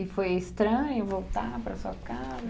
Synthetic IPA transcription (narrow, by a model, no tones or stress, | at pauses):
ɪfojest̪ɾɐ̃ɲɪvowt̪apɾɐsuɐkazɐ